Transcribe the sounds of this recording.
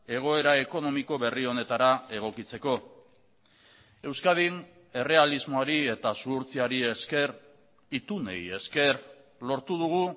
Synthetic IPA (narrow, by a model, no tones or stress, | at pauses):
e̞ɣ̞o̞e̞ɾae̞ko̞no̞miko̞βe̞rio̞ne̞t̪aɾae̞ɣ̞o̞kit͡se̞ko̞ | e̞wskað̞in | e̞re̞alizmo̞aɾie̞t̪asuːɾt͡siaɾieske̞r | it̪une̞̰je̞ske̞r | lo̞ɾt̪uðuɣ̞u